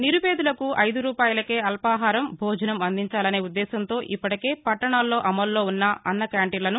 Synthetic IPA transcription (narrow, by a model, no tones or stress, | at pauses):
niɾupeːd̪ulɐkuʔɐjd̪uɾuːpaːjɐlɐke̞ːɐlpaːɦaːɾɐmbʱɔːd͡ʒɐnɐmɐnd̪ʱiɲt͡ʃaːlɐne̞ːud̪ːɛːsɐnt̪o̞ːʔipːɐʈɐke̞ːpɐʈːɐɳaːlːo̞ːʔɐmɐlːo̞ːunːaʔɐnːɐkaːɳʈilɐnu